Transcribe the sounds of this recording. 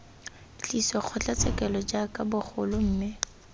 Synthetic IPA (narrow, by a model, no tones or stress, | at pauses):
t͡ɬʼisɔk͡xʰɔt͡ɬat͡sɛkʼɛlɔd͡ʒakʼabʊχʰʊlʊm̩ːmɪ